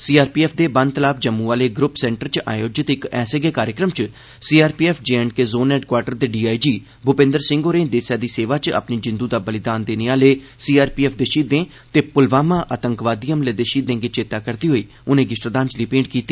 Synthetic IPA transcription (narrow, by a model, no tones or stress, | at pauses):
siːaːɾpiːɛːpʰd̪eːbə̃nd̪t̪əlaːp̚ʰd͡ʒəmːũːaːleːɡɾʊpsɛ̃ːɳʈəɾt͡ʃa̰ːjoːd͡ʒɪt̪ɪkɛːseɡeːkaːɾjəkɾəmt͡ʃ | siːaːɾpiːɛːpʰd͡ʒeːɛɳɖ̚keːzoːnɛːɖkwaːɾʈəɾd̪eːɖiːaːid͡ʒiː | bʱʊpẽnd̪əɾsɪ̃ŋɡoːɾẽːd̪eːsjaːd̪iːseːʋaːt͡ʃə̰pniːd͡ʒɪ̃nd̪uːd̪aːbəlɪd̪aːnd̪eːneːaːleː | siːaːɾpiːɛːpʰd̪eːʃiːd̪ẽː | t̪eːpʊlʋaːmãːʔət̪əŋkʋaːd̪ijəmleːd̪eːʃiːd̪ẽːɡeːt͡ʃeːt̪aːkəɾd̪iːɦoːiː | ʊnẽːɡɪsʈɾəd̪ãːnt͡ʃliːpẽːɳɖ̚kiːt̪ːiː